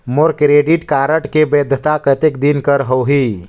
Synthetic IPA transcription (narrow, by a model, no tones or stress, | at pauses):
moɾkɾeːɖɪʈkaːɾəʈkebeːd̪ʱət̪akət̪ɪkd̪inkəɾɦoːɦiː